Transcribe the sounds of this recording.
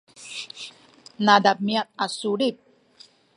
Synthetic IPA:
nad̪ab̚miat̪̚asuɽip̚

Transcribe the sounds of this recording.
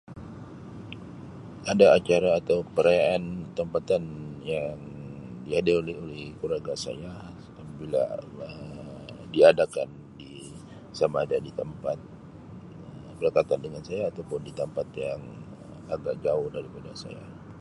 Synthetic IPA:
adaːt͡ʃaɾaːt̪awpəɾajaant̪əmpat̪anjaŋdiadelolɛɦolɛhkuɾaɡasa̰ja | apabila̰ə | diadakan | di | samaːdadit̪əmpat̪̚ | əbəlakat̪andəŋansajaːt̪awpʊndit̪əmpat̪jaŋ | aɡaʔ̚d͡ʒaʊhdaɾipada̰sa̰ja̰

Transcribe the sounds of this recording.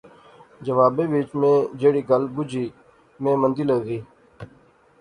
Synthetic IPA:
d͡ʒəʋaːbeːʋiːt͡ʃmẽːd͡ʒeːɽiːɡəlbʊd͡ʒiː | mẽːmənd̪iːləɡziː

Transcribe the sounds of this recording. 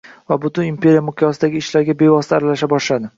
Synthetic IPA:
vabʊt̪ʊnimpe̞ɾijamʊqʰjɒsɪd̪aɡʲɪːʃlaɾɡʲabe̞vɒsɪt̪ʰaːɾalaʃabɒʃlad̪ɪ

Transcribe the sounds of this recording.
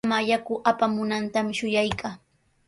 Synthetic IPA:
majakʊʔapamʊnant̪amɪʃʊjajkaː

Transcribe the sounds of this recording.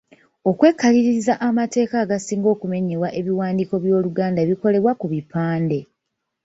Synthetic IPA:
o̞kwe̞ːkːaliɾiizaʔamate̞ːkaːɡasiːŋɡo̞ːkume̞ɲewaʔe̞βiwaːndiːko̞βjo̞ːluɡaːndaeβiko̞le̞βwakuβipaːnde̞

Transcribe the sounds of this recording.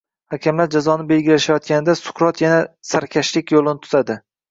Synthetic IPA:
hakʲamlaɾd͡ʒazɒnɪbe̞lɡʲɪlaʃajɒt̪̚kʲanɪd̪asʊ̥qɾɒt̪ʰjanasaɾkʲʰaʃlɪkʲjolˠɪnɪt̪ʰʊ̥zad̪ɪ

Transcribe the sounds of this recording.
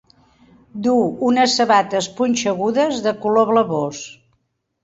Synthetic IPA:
d̪uunəsːəβat̪əspunʲt͡ʃəɣ̞uðəzðəkuloβləβos

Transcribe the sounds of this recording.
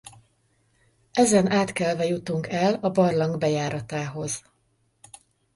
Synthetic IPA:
ɛzɛnaːt̪kɛlvɛjut̪uŋkɛlɒbɒrlɒŋɡbɛjaːɾɒt̪aːɦo̞z̥

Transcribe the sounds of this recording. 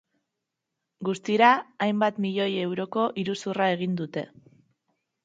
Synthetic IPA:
ɡust̪iɾaːjmbat̪miʎo̞je̞wɾo̞ko̞ʔiɾusurae̞ɣ̞ind̪ut̪e̞̰

